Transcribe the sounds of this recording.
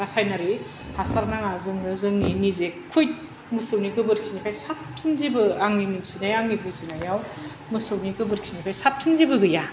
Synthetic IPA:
ɾasajnaɾi | pʰasaɾnaŋazɯŋnɯzɯŋninizekʰːujt | mɯsɯwniɡɯbɯɾkʰi̥snipʰajsap̚sʰinzibɯaŋniminsinajaŋnibuzinajaw | mɯsɯwniɡɯbɯɾkʰi̥nipʰajsap̚sʰinzibɯɡɯja

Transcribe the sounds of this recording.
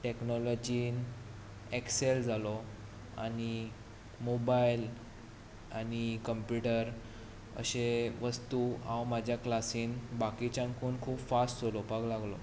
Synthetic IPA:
ʈeknɔlɔd͡ʑiːn | ekseld͡zʱalɔ | a̰ɽ̃i | mobajl | aɽ̃ikəmpjuʈəɾ | ə̰ɕeʋəst̪uãwmad͡ʑʱjaklasiːnbakit͡ɕãŋkʰuːnkʰuːpfasʈd͡zolɔpaɡlaɡlɔ

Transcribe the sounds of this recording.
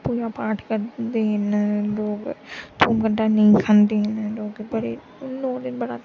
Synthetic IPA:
puːd͡ʒapaːʈʰkɐɾt̪eɦɪnloːɡt̪ʰuːmkəɳʈaniĩkʰand̪eɦɛnloːɡbɐɽe | noːd̪ɪnbɐɽa̰

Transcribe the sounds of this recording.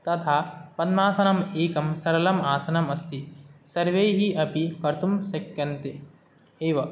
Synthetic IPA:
t̪ɐt̪ʰapɐd̪maːsɐnɐmeːkɐmsɐɾɐlɐmaːsɐnɐmɐst̪isɐɾʋejɦiʔɐpikɐɾt̪umsɐkjɐnt̪e | eːʋɐ

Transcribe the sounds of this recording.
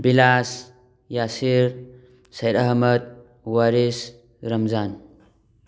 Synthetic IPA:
bilas | jasiɾ | sɐjɾaɦmət̪̚ | waɾis | ɾɐmzan

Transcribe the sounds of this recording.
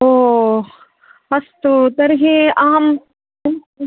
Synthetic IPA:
oː | ɐst̪od̪ɐɾɦẽaːm

